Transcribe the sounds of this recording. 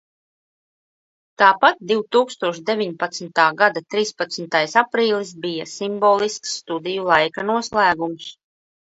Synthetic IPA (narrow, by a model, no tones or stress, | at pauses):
t̪aːpat̪̚d̪iwt̪uːkst̪uɔʃd̪evʲiɲpat̪smʲt̪aːɡad̪at̪ɾiːspat̪smʲt̪ajsapɾiːlˠis̬bijasimboːlˠisksːt̪ud̪ijulˠajkanuɔslæːɡums